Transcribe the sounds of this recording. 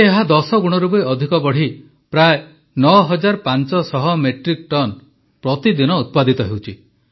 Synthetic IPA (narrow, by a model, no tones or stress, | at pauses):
eɦad̪ɔsɔɡuɽ̃ɔɾubɔiɔd̪ʱikɔbɔɽ̤i | pɾae | nɔɦɔd͡ʒaɾpant͡ʃɔsɔɦɔmeʈɾik̚ʈɔn | pɾɔt̪id̪inɔut̪̚pad̪it̪ɔɦewt͡ʃʰi